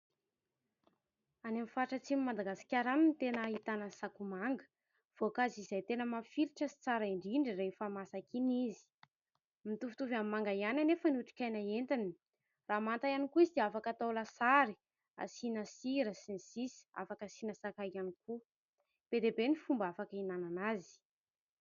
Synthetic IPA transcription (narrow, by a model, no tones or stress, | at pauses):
anemifaʈ͡ʂət͡simimad̪aɡasi̥kʲaɾaninit̪enəit̪anəsakumaŋɡə̥ | v̥okazizejt̪enəmafiɾiʈ͡ʂəsi̥t͡saɾaiɳɖ͡ʐiɳɖ͡ʐirefamasakinizi̥ | mit̪ufu̥t̪uvamimaŋɡajananefənuʈ͡ʂi̥kʲajnaent̪ini̥ | raːmant̪ajanikuizid̪eafakat̪awlasaɾi | a̰sinəsiɾəsinisisi̥a̰fakasinəsakajaniku | b̥ed̪ebenifumbafakəinananazi̥